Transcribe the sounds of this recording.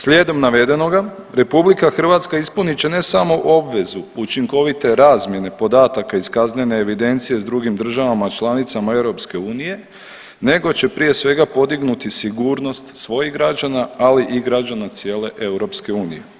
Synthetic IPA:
slʲje̞ːd̪o̞mnaʋe̞d̪e̞no̞ɡa | ɾe̞publikaxr̩ʋat̪skaispunit͡ɕe̞ne̞samo̞ʔo̞bʋe̞zuut͡ʃiŋko̞ʋit̪e̞ɾaːzmje̞ne̞po̞d̪aːt̪akaiskazne̞neːʋid̪e̞nt̪sije̞zd̪ɾuɡimd̪r̩ʒaʋamat͡ʃlˠanit̪samae̞wɾo̞pske̞uːnije̞ | ne̞ɡo̞t͡ɕe̞pɾije̞sʋe̞ɡapo̞d̪iɡnut̪isiɡuːɾno̞st̪sʋo̞jiɦɡɾad͡ʒanaaliʔiɡɾad͡ʒanat̪sje̞ːle̞ʔe̞uɾo̞pske̞uːnije

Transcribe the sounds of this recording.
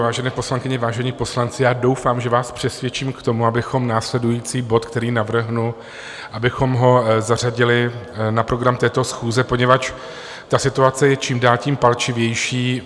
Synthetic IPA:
vaːʒɛnɛːpo̞slaŋkɪɲɛvaːʒɛɲiːpo̞slant͡sɪjaːdo̞wfaːmʒɛvaːspr̥ɛsvjɛt͡ʃiːmkt̪o̞muabɪxo̞mnaːslɛdujiːt͡siːbo̞t̪kt̪ɛɾiːnavr̩ɦnu | ʔabɪxo̞mɦo̞zar̝aɟɪlɪnapɾo̞ɡɾamt̪ɛːt̪o̞sxuːzɛpo̞ɲɛvat͡ʃ | t̪asɪt̪uat͡sɛjɛt͡ʃiːmdaːlciːmpalt͡ʃɪvjɛjʃiː

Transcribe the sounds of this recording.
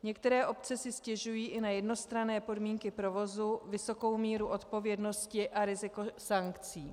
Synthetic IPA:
ɲɛkt̪ɛɾɛːʔo̞p̚t͡sɛsɪscɛʒujiːʔɪnajɛdno̞st̪ɾanɛːpo̞dmiːŋkɪpɾo̞vo̞zuvɪso̞ko̞wmiːɾuʔo̞t̪po̞vjɛdno̞scɪʔaɾɪzɪko̞saŋkt͡siː

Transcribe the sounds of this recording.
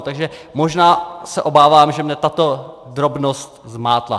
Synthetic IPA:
t̪aɡʒɛmo̞ʒnaːsɛʔo̞baːvaːmʒɛmɲɛt̪at̪o̞ | d̪ɾo̞bnost̪zmaːt̪la̰

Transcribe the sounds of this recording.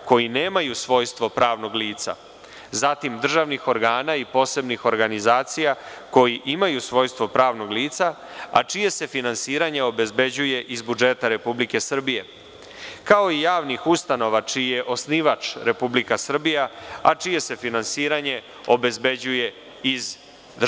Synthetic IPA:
ko̞jineːmajusʋo̞jst̪ʋo̞pɾaːʋno̞ɡliːt̪sa̰ | zat̪imd̪r̩ʒaʋnixo̞ɾɡaːnaipo̞ːse̞bnixo̞ɾɡanizaːt̪sijako̞jiʔimajusʋo̞ːjst̪ʋo̞pɾaːʋno̞ɡliːt̪sa | a̰t͡ʂije̞se̞finansiːɾaɲeo̞be̞zbe̞d͡ʑuje̞ʔizbud͡ʒe̞t̪aɾe̞publike̞sr̩bije̞ | kao̞ijaːʋnixust̪ano̞ʋat͡ʃijeʔo̞sniʋat͡ʂɾe̞publikasr̩bijaat͡ʃije̞se̞finansiːɾaɲe̞ | o̞be̞zbe̞d͡ʑuje̞ | iz | d̪

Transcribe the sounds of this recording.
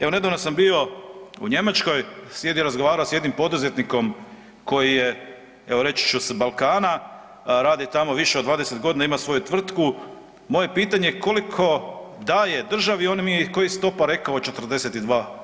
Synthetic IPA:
eʋone̞d̪aːʋnosambio̞ṵɲe̞mat͡ʃko̞jsjed̪jɾazɡoʋaːɾaosjed̪nimpo̞d̪uzet̪niko̞m | ko̞jije̞ | eʋo̞ɾe̞t͡ɕi̥t͡ʃusbalkaːna | ɾaːd̪ijt̪amo̞ʋiʃeod̪ʋaːd̪eset̪ɡo̞d̪inaimasʋo̞jut̪ʋr̩t̪ku | mo̞je̞piːt̪aɲeko̞likʰo̞d̪aje̞d̪r̩ʒaʋio̞nimiekojist̪o̞paɾe̞kaot͡ʃe̞t̪r̩d̪e̞set̪id̪ʋaː

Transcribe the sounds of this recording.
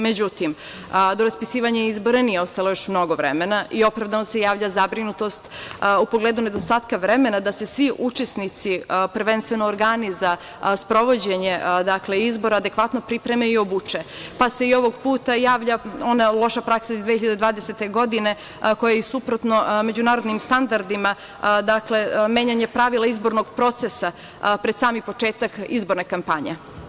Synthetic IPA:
med͡ʑut̪im | d̪o̞ɾaspisiːʋaɲaizbo̞ɾenijeo̞st̪alˠojo̞ʃmno̞ɡoʋɾemenaʔio̞pɾavd̪anose̞jaːʋʎazabɾinut̪o̞st̪upo̞ɡleːd̪une̞d̪ost̪aːt̪kaʋɾe̞me̞nad̪ase̞sʋiʔut͡ʃesnit̪sipr̩ʋenst̪ʋeno̞ːɾɡaniza | spɾo̞ʋo̞d͡ʑeɲe̞d̪akleizbo̞ɾaːd̪e̞kʋat̪no̞pɾipɾe̞meio̞but͡ʃepase̞io̞ʋo̞ɡpuːt̪ajaːʋʎao̞nalˠo̞ʃapɾaksaizd̪ʋeçiʎad̪ed̪ʋaːd̪eset̪e̞ɡo̞d̪ine̞ | ko̞jaisupɾot̪no̞me̞d͡ʑunaːɾo̞d̪nimst̪and̪aɾd̪ima | d̪akle̞meːɲaɲepɾaʋilaizbo̞ɾno̞ɡpɾo̞t̪sesa | pɾed̪̥saːmipo̞t͡ʃe̞ːt̪akḭzbo̞ɾne̞kampaɲe

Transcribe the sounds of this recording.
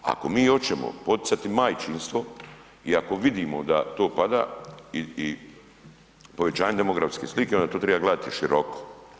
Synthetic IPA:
a̰ko̞miːjo̞t͡ʃemo̰po̞t̪i̥sat̪imajt͡ʃinst̪ʋo̞ | iako̞ʋid̪imo̰d̪at̪o̞ːpad̪a̰ːii | po̞ʋe̞t͡ɕaːɲed̪emoɡɾafskeːslikeond̪at̪oːt̪ɾebaːɡlaːd̪t̪iʃiɾʔoko̥

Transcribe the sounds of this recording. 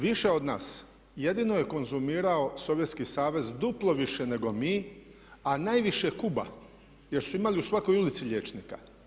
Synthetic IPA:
ʋiʃe̞o̞d̪na̰ːs | jed̪inoje̞ko̞nzumiːɾaoso̞ʋjet̪skisaːʋe̞zd̪uplˠo̞ʋiʃe̞ne̞ɡo̞miː | anajʋiʃekuba̰ | je̞ɾsuimaliusʋako̞julit̪siʎe̞ːt͡ʃnika̰

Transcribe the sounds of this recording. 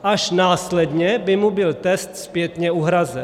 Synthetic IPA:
ʔaʃnaːslɛd̪ɲɛbɪmubɪlt̪ɛst̪spjɛt̪ɲɛuɦɾazɛn

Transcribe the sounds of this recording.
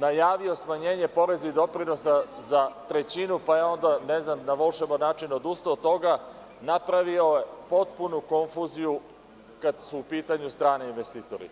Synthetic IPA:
najaːʋio̞smaɲe̞ːɲe̞po̞ɾe̞zaid̪o̞pɾino̞sazat̪ɾe̞t͡ɕinupajeo̞nd̪aneznamnaʋo̞lʃemonaːt͡ʃinod̪ust̪ot̪o̞ɡa | napɾaʋio̞jepo̞t̪̚punuko̞ɱfuziju | kad̪suːpiːt̪aɲust̪ɾaːneinʋest̪iːt̪oɾḭ

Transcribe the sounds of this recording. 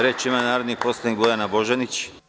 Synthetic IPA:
ɾeːt͡ʃimanaːɾod̪nipo̞slˠanikbojanabo̞ʒenit͡ʃ

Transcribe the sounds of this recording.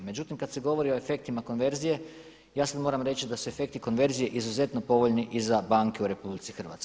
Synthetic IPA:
me̞d͡ʒut̪imkad̪se̞ɡo̞ʋo̞ɾio̞e̞fe̞k̚t̪imako̞nʋe̞ɾzije̞ | jaːsad̪mo̞ːɾamɾe̞t͡ɕid̪asue̞fe̞k̚t̪iko̞nʋe̞ɾzije̞ʔizuze̞t̪no̞po̞ʋo̞ʎniʔizabaŋkeuɾe̞publit̪sixr̩ʋa̰t̪sk

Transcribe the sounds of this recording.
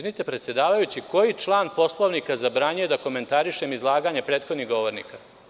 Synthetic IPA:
nit̪e̞pɾet̪sje̞d̪aːʋajut͡ɕiko̞jit͡ʂlˠaːnpo̞slˠoʋnikazabɾaːɲujed̪ako̞me̞nt̪aɾiʃe̞mizlˠaːɡaːɲepɾeːt̪xod̪niɡo̞ʋo̞ɾnḭka

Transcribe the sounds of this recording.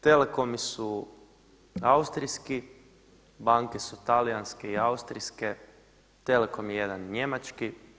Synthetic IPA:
t̪e̞leko̞misu | aust̪ɾiski | baŋkesut̪alijanske̞iaust̪ɾiske | t̪e̞leko̞mjeje̞d̪anɲe̞mat͡ʃki

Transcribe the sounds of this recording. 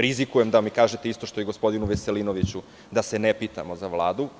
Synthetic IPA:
ɾizikujemd̪amikaːʒet̪eist̪o̞ʃt̪o̞jeɡospo̞d̪inuʋeselinoʋit͡ɕu | d̪asenepit̪a̰mo̞zaʋlˠaːd̪u

